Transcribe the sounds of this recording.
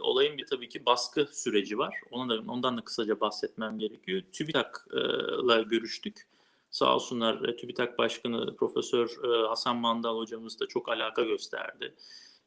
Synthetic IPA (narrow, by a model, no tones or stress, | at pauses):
o̞̰lˠajɯmbit̪ʰabiːcʰibaskʰɯsyɾe̞d͡ʒivaɾ̥o̞nad̪ao̞nd̪and̪akʰɯ̥sad͡ʒabahsɛt̪mæmɟe̞ɾecʰijo̞t̪ʰybit̪ʰakːlˠaɟø̞ɾyʃt̪ʰyc | sa̰ːlˠsunlˠaɾt̪ʰybit̪ʰak̚baʃkʰanɯ̰pʰɾo̞fesøɾhasanmand̪alˠho̞d͡ʒamɯzd̪at͡ʃʰo̞kalʲaːkʰaɟø̞st̪ʰæ̰ɾd̪ɪ̰